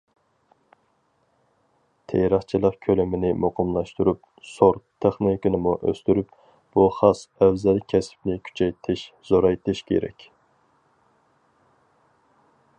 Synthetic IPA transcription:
t̪ʰejɾəχt͡ʃʰilˠəqkʲʰølymɪnɪmoqʰəmlˠɑʃt̪uɾyp̚ | soɾt̪ʰeχnikinɨmuʔø̰st̪yɾyp | b̥uχɑsɛwzɛlkʲʰɛsɪ̥p̚nɪkʲʰy̥t͡ʃʰɛjt̪ʰɪʃ | z̥oɾɑjt̪ʰɨʃkʲʰḛɾɛ̰kʲ

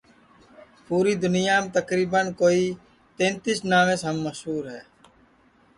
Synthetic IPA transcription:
puːɾiːd̪ʊnɪjaːmet̪əkɾiːbənkoːiː | t̪ẽːnt̪isnaːʋẽːsɦəmːəʃɦuːɾɦɛː

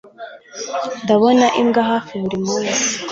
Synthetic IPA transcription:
ndaβonaʔimɡaɦaːfiβuɾimuːa

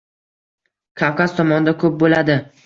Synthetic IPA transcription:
kʰawkʰaz̥t̪ʰɒmɒnd̪akʰɵp̚bolad̪ɪ

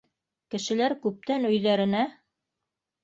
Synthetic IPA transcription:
kɘ̆ʃɘ̆læɾkʉp̚t̪ænɵ̆jðæɾɘ̆næ

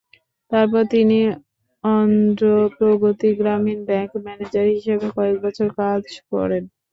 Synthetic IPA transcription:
t̪aɾpɔɾt̪ini | ɔnd̪ɾopɾoɡot̪iɡɾaminbɛŋkmɛned͡ʑaɾɦiʃebekɔek̚bɔt͡ɕʰoɾkad͡ʑkɔ̰ɾen

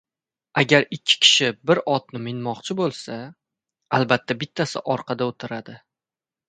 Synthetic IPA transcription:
aɡʲaɾɪkʲʰːɪ̥kʲʰɪ̥ʃɪbɪɾɒt̪̚nɪmɪnmɒqt͡ʃʰɪbolˠsa | alˠbat̪ʰːabɪt̪ʰːasɪʔɒɾqʰɑd̪aot̪ʰɪɾad̪ɪ

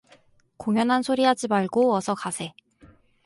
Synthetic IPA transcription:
koŋjʌnɦansʰoɾiɦad͡ʑimaɭɡoʌsʰʌkasʰe̞

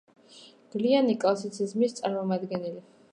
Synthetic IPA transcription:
ɡ̥lianikʼlˠasit̪sʰizmist̪sʼaɾmɔmad̪ɡɛnɛli

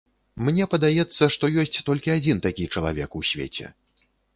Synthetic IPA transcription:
mnʲɛpɐd̪ajɛt̪sːɐʂt̪ɔjɔsʲt͡sʲt̪ɔlʲkʲiad͡zʲint̪akʲit͡ʂɐlˠa̰vʲɛ̰kusʲvʲḛt͡sʲɛ̰

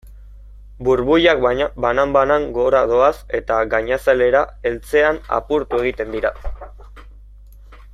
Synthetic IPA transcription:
buɾβujak̚banambanaŋɡo̞ɾað̞o̞ase̞t̪aɡaɲasale̞ɾae̞lt͡se̞ana̰puɾt̪ue̞ɣ̞it̪e̞nd̪iɾa

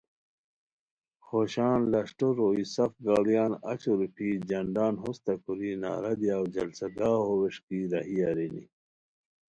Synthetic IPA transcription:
xoɕaːnlɐʂʈoɾoːisɐfɡaːljaːnɐ̰t͡ɕuɾupʰid͡ʑɐɳɖaːnɦost̪ɐkuɾina̰ːɾɐd̪ijaːwd͡ʑɐlsaɡaːɦoweʂkiɾɐɦiaɾenḭ

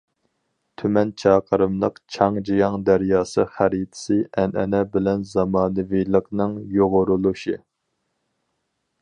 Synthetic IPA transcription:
t̪ʰymɛnt͡ʃʰɑːqʰəɾɨmlˠəqt͡ʃʰɑŋd͡ʒijɑŋd̪æɾjɑːsɨχæɾit̪ʰɪ̥sɨʔɛnɛnɛbɪlɛnzɑmɑːnɨvijlˠəqnɨŋjoʁʊɾulˠuʃi

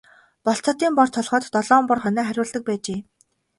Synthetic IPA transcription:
pɔɬt͡sɔ̆t̪iːmpɔrt̪ʰɔɮχɔːt̪ːɔɮɔːmpɔrχœnæːχæɾʲʊːɮt̪ə̆k̚pæːt͡ɕeː

